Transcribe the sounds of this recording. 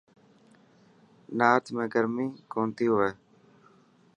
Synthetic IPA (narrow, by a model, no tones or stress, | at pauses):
naːt̪ʰmẽːɡəɾmĩːkoːnt̪iːɦʊʋeː